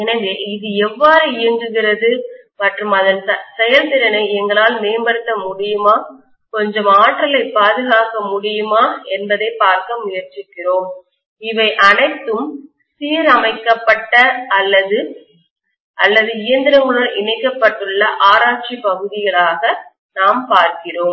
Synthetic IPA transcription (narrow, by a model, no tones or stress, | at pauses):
ɛnɐŋɡeːɪðɯɛʋːaːɾɯɪjɐndɡɯɣɪɾɐðɯ | mɐʈrɯmɐðɐnsɛjɐlt̪ɪɾɐnɐɪɛŋɡɐɭaːlmeːmbɐɾɯt̪ːɐmʊɽɪjɯmaː | kɔɲd͡ʒɐmaːʈrɐlɐɪpːaːðɯɣaːkɐmʊɽɪjɯmaːɛnbɐðɐɪpːaːɾkɐmʊjɐɾt͡ʃɪkːɪroːm | ɪʋɐɪʔɐnɐɪt̪ːɯm | siːɾɐmɐɪkːɐpːɐʈːɐɐlːɐðɯ | ʔɐlːɐðɯɪjɐnd̪ɪɾɐŋɡɐɭɯɽɐʔɪɳɐɪkːɐpːɐʈːɯɭːɐʔaːɾaːt͡ʃipɐɣɯðɪɣɐɭaːɣɐ | naːmpaːɾkɪroːm